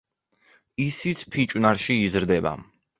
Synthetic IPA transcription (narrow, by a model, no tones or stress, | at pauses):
isit̪sʰpʰit͡ʃʼwnaɾʃiːzɾd̪ɛba̰